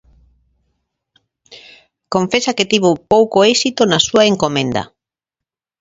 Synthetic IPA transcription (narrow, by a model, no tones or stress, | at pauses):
kõɱfesakɪt̪iβopowkoesit̪onɐsuaeŋkomẽnd̪ɐ̰